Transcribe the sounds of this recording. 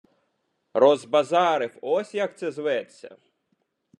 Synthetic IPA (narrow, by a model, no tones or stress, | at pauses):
rɔzbɐzɑɾɪwɔsʲjak̚t̪sɛzʋɛt͡sʲːɐ̰